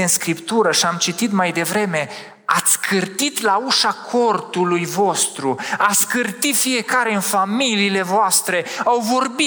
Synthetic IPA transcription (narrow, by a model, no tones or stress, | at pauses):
ɨnskɾipt̪uɾəʃiamt͡ʃit̪it̪majd̪e̞vɾe̞me̞ | at̪sʲkʰɨrt̪it̪lauʃakʰo̞rt̪ulujvo̞st̪ɾuat̪sʲkɨrt̪it̪fije̞kaɾeɨnfamiliːle̞voast̪ɾe̞awvo̞rbi